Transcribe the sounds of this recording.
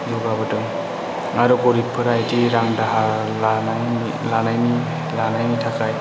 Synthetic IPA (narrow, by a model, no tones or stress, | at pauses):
d͡ʒɔɡabɯdɯŋ | aɾɔkɔɾipʰɯɾajdiɾaŋdaɦa | lana | lanajni | lanajnitʰakaj